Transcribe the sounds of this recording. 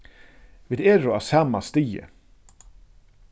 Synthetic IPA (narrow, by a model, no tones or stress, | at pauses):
vɪd̪ɛɾʊasamast̪iːə̰